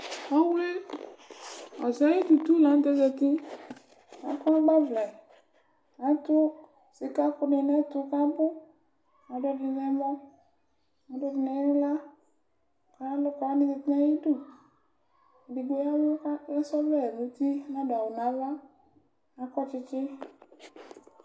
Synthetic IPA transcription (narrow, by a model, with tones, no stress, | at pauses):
a˦wle˦ | ɔ˨za˨˦i˦t̪u˨t̪u˦la˨˦n̩˦t̪ɛ˦d͡ʒɛ˨t̪i˦ | na˨˦kʊ˦a˦ɡ͡ba˦vla˨ | nã˨˦t̪ʊ˦ | sɪ˨ka˦kʊ˦ne˨na˦t̪ʊ˨ka˦bʊ˦ | na˨dɔ˦dɪ˨nɛ˦mɔ˦ | na˨˦dɔ˨dɪ˨nɛ˨˦nʊ̃˦la˦ | ka˦lʊ˦ka˨˦nɪ̃˨˦zɪ˧t̪nã˦ji˦du˦˨ | di˨ɡe˦a˦lʊ˦a˦sɔ˦vɛ˦˨nu˨˦t̪i˦na˦dʊ˨a˨wʊ˨na˨˦va˦ | na˨˦kɔ˦t͡ʃɪ˦t͡ʃɪ˦